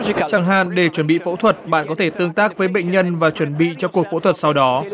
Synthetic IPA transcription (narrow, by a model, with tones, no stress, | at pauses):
t͡ɕaː˧˩ŋɦa̰ː˧˨nɗe˧˩t͡ɕwə˧˩nɓḭ˧˨fo̰˧˥t̪ʰwə˨˩t̚ɓa̰ː˧˨nkɔ˨˦t̪ʰe˧˩t̪ɨ˧əŋt̪aː˦˥k̚vəː˨˦jɓə̰˧˨jŋ̟ɲə˧nvaː˨˩t͡ɕwə˧˩nɓḭ˧˨t͡ɕɔ˧ku˨˩ək̚fo̰˧˥t̪ʰwə˨˩t̚sa˧wɗɔ˨˦